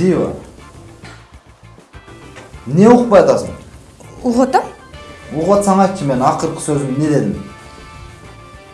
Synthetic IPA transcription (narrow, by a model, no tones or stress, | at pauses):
d̪iwɑ̰ | neʊq̚pɑjɑt̪ɑsə̰n | ʊʁot̪amuʁɑt̪sɑɴɑkʲʰːɪmenɑqəɾqʰə̥søzɪmnːed̪ed̪ɪm